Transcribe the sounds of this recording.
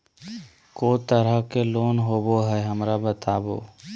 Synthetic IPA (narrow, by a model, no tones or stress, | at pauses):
koːt̪əɾəkeloːnɦoːboɦɛɦəmɾabət̪aːbo̰ː